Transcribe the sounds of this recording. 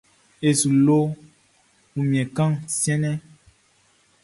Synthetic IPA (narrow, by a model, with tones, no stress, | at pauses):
e˨su˨lo˦ | u˨mĩ˨ɛ̃˨kã˦ŋsjɛ̃˦nɛ̃˦